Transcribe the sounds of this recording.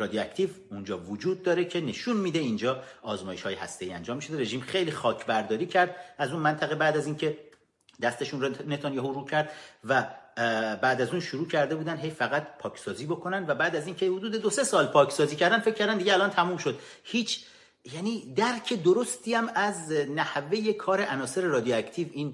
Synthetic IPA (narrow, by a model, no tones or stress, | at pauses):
ɾɒːd̪ioæct̪ʰiv | und͡ʒɒːvod͡ʒuːd̪̚ːɒːɾecʰe̞ne̞ʃunmiːd̪e̞ind͡ʒɒːɒːzmɒːje̞ʃhɒːjehæ̰st̪eiːænd͡ʒɒːmːiʃoeɾe̞ʒiːmχe̞jliːxɒːcʰbæɾd̪ɒːɾiːcʰæɾd̪æzunmænt̪ʰæɣebæːd̪æziːncʰe̞ | d̪æst̪e̞ʃunrne̞t̪ʰonjɒhuɾuːcʰæɾd̪væ | bæːd̪æzunʃuɾuːcʰæɾd̪e̞buːd̪ænd̪ɦe̞jfæɣæt̪pʰɒːcʰsɒːziːbo̞kʰo̞nænd̪væbæːd̪æzincʰehod̪uːd̪e̞d̪ose̞sɒːlpʰɒːcʰsɒːziːcʰæɾd̪ænfec̚ʰːæɾd̪ænd̪iɟeælɒnt̪ʰæmuːmʃo̞d̪ | hiːt͡ʃʰ | jæniːd̪æɾcʰe̞d̪oɾo̞st̪iːæmæznæhvejekʰɒːɾeʔænɒːse̞ɾe̞ɾɒːd̪ijoæct̪ʰiːviːn